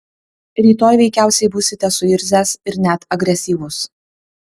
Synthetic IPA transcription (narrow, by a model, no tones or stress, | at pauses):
ɾʲiːt̪oːjʋʲɛɪkʲæˑʊsʲɛɪbuːsʲɪt̪ʲɛsʊɪɾʲzʲæsɪɾnʲæt̪ɐɡɾʲɛsʲiːʋʊs